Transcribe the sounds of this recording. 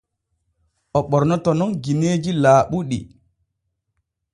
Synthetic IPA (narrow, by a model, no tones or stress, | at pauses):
ʔɔɓɔɾnɔtɔnɔnɡineːd͡ʒilaːɓuɗḭ